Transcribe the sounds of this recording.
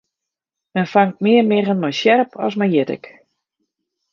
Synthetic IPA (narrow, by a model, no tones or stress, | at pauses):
mɛnfaŋt̚mɪərmɪɣənmɔjsjɛrpʰɔ̰s̬mɛnjɪtɪ̰k